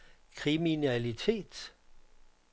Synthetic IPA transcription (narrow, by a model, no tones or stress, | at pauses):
kʰʁiminælit͡sʰe̝̰ːd̥